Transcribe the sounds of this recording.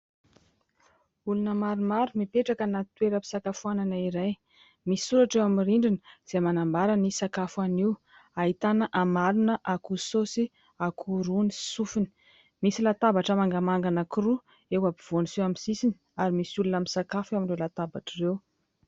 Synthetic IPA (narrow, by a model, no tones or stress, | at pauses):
ulunəmaɾimaɾumipeʈ͡ʂakənat̪weɾəpi̥sakafuananaiɾaj | misi̥suɾaʈ͡ʂewamiriɳɖ͡ʐinə̥z̥emanambaɾanisakafaniw | aɦit̪anəʔamalunəʔakusosi | akʰuɾunisufini̥ | misilat̪abaʈ͡ʂəmaŋɡamaŋɡanəkuɾu | ewabiv̥onisewamisisini̥ | aɾimisulunamisakafewaminrelat̪abaʈ͡ʂirew